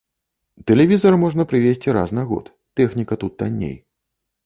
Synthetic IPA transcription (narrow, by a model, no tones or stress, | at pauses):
t̪ɛlʲɛvʲizɐrmɔʐnɐpɾɨvʲesʲt͡sʲiɾa̰snɐɣɔ̰t̪ːɛxnʲikɐt̪ut̪̚d̪anʲːḛj